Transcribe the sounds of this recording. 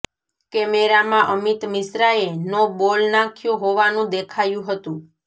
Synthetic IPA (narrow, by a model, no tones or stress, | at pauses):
kɛmeɾamãʔəmit̪mɪsɾaenobolnakʰjõɦoʋanũd̪ekʰajũɦət̪ũ